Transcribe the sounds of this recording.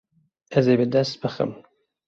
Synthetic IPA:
ɛzebɨd̪ɐst̪̚b̥ɨxɨ̰m

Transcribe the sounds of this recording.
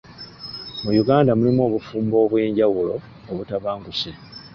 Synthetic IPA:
mujuɡaːndamulimuo̞ːβufuːmbo̞ːβwe̞ːɲɟawulo̞ː | βutaβaːŋɡuse

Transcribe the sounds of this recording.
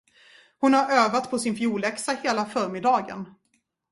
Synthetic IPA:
hʊnhaɾøːvat̪pʰɔsɪnfjuːɭɛksaheːlafœːɾmɪd̪ɑːɡə̰n

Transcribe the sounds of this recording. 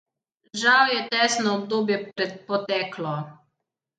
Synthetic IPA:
ʒawjɛt̪ɛːsnɔːb̚d̪oːbjɛpɾɛt̪̚pɔt̪ɛːklɔ

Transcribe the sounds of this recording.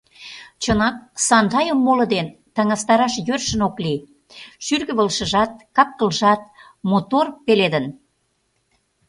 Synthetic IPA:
t͡ɕənɑk̚sɑnd̪ɑjəmːolə̆d̪en | t̪ɑŋɑst̪ɑɾɑʃjørʃə̆nokli | ʃyrɣə̆βəlʃə̆ʒɑt̪̚kɑk̚kəlʒɑt̪̚ | mot̪orpeled̪ən

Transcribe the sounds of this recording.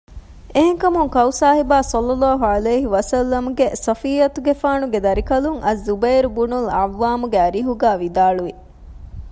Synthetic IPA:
eɦeŋkɐmuŋkɐwsaːɦibaːsɐlːɐlːaːɦuɐleːɦiʋɐsɐlːɐmuɡesɐfiːɐt̪uɡefaːnuɡed̪ɐɾikɐluŋɐzːubɐjɾubunulɐʋːaːmuɡeɐɾiɦuɡaːʋid̪aːɭuʋi

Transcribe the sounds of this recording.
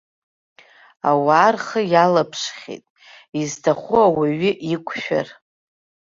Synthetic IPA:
a̰waːrχəjalapʰʂχʲḛtʼ | iztʰaχʷuawaɥɪʔikʷʰʼʃᶣa̰r

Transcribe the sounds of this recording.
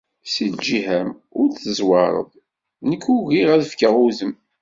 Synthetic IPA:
sid̪d͡ʒihæmʊɾθəzˤwɑɾˤə̰ðˤ | nəkːuɣiʁæðəfkəʁuzəm

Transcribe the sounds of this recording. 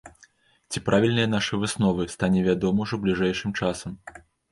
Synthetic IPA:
t͡sʲipɾʔavʲilʲnɨjɐnaʂɨvɨsnɔvɨst̪anʲɛvʲad̪ɔmɐuʐɔblʲiʐɛjʂɨmt͡ʂasɐm

